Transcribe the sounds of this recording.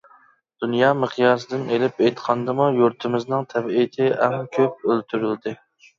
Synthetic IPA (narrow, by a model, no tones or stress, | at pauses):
d̪̥unjɑməχjɑːsɨd̪ɪnelɪpejt̪qʰɑnd̪ɨmujuɾt̪ʰɪmɪznɨŋt̪ʰɛbɪit̪ʰɪʔɛmkʲʰøp̚ølt̪ʰyɾyld̪ɪ